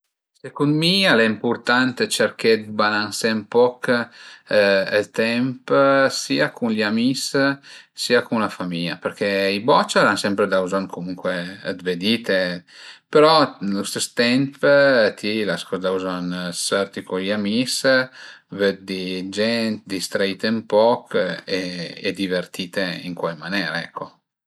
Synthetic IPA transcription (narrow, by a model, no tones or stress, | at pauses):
sekund̪mialɛimpuɾt̪ant̪et͡ʃeɾked̪balansempɔk | ɛlt̪ɛmpsiːakunliamis | siakunlafamiʎa̰pəɾkʰeibɔt͡ʃaɾansɛmpɾed̪awzankʰomuŋkwed̪ved̪it̪epeɾɔlost̪est̪ɛmpt̪ʰilaskɔzad̪auzansɛrt̪ikuliamis | ved̪̚d̪id͡ʒɛnt̪d̪ist̪ɾaiːt̪empɔkʰeɛ̰d̪ivert̪iːt̪eḭŋkwajmanɛːɾaɛkʰːo